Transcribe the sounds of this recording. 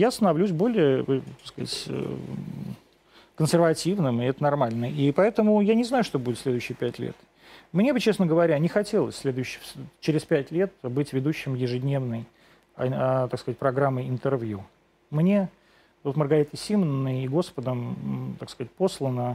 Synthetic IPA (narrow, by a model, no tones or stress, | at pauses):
jast̪ənɐvlʲus̬ʲbo̞lʲɪjət̪askɐza̰tʲ | kənsʲɪrvɐtʲivnɨmɪɛt̪ənɐrmalʲnəipɐɛt̪əmʊjanʲɪznajʊʂt̪o̞budʲɪt̪sʲlʲe̞d̪ʊːɕːɪjəpʲætʲlʲḛt̪ | mnʲebɨt͡ɕesnəɡəvɐɾʲanʲɪxɐtʲe̞lˠəsʲsʲlʲe̞d̪ʊɕːɪt͡ɕɪɾʲɪspʲætʲlʲe̞t̪̚bɨtʲvʲɪd̪uɕːɪmjɪʐɨdʲnʲevnəj | t̪akskəɐzat̚ʲpɾɐɡɾamːəɪnt̪ɨrvʲju | mnʲe̞ | t̪ot̪mərɡɐɾʲit̪əsʲimənːəjiɡo̞spəd̪əmt̪akskɐzat̚ʲpo̞slˠənə